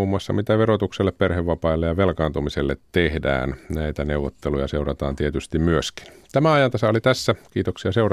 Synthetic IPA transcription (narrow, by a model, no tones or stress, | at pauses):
uːmːuɑsːɑ̰mit̪æʋeɾot̪ukselːepperheʋːɑpɑilːejɑʋelkɑːnt̪umiselːet̪ːehdæ̰ːnnæit̪æneuʋːot̪ːelujɑseuɾɑt̪ɑ̰ːnt̪iet̪yst̪immyøski̥n | t̪æmæɑjɑnt̪ɑsɑolit̪æsːækiːt̪oksiɑseurɑ